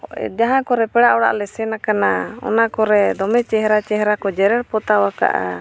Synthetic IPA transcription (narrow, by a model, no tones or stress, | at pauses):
ɛ̰d͡ʒaɦãkɔɾɛpɛɽaʔɔɽa̰ʔlɛsɛnakanaɔ̰nakɔɾɛd̪ɔmɛt͡ʃɛɦɾat͡ʃɛɦɾakɔd͡ʒɛɾɛɽpɔt̪awaka̰ʔa̰